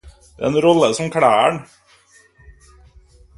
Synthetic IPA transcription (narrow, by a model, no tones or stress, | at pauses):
d̪̰ɾenɾɔlːəsɔmkʰɽæːæɳ